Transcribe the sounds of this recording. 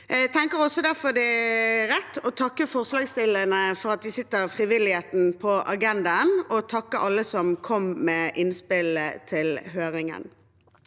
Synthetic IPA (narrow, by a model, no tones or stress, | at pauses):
t̪ʰɛŋkəɾɔsːɔd̪æʁfɔd̪ɛɾɛt̪ːɔt̪ʰɑkːəfɔʁslɑːɡst̪ɪlənəfɔʁɑt̪̚d̪ɪsɪt̪ːəfʁɪʋɪlɪheːt̪n̩pʰɔʔɑɡɛnd̪ɑənɔt̪ʰɑkːəʔɑlːəsɔmkʰɔmmɛːʔɪnspɪlət̪ʰɪlɦøːɾɪŋə̰n